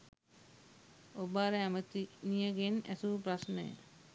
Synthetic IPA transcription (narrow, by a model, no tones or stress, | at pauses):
obaːɾəæmət̪inijəɡenæsuʋpɾasnəjə̰